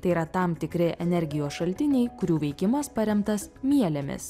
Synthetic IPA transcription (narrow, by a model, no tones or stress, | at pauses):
t̪ɐɪiːɾɐt̪ɑmt̪ʲɪkɾʲɪʔɛnʲɛɾʲɡʲɪjoːsʃɐlʲt̪ʲɪnʲɛɪkʊɾʲuːʋʲɛɪkʲɪmɐspɐɾʲɛmt̪ɐsmʲiɛlʲɛmʲɪ̰s